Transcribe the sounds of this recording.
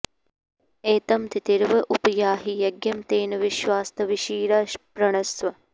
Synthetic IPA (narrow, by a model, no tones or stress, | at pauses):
eːt̪ɐmt̪it̪iɾʋɐʔupɐjaːɦijɐɡjɐmt̪eːnɐʋiʃʋaːst̪ɐʋiʃiːɾɐʃpɾɐɳɐsʋɐ